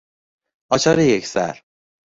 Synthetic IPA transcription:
ʔɒːt͡ʃʰɒːɾejecʰsæ̰ɾ

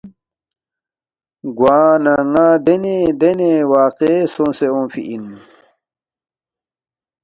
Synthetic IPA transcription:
ɡwaːnaːŋad̪ened̪enewaːqesõseõːfḭʔin

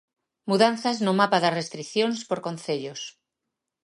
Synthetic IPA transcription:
muðanθaznomapaðarest̪ɾiθjonspoɾkon̟θeʎos

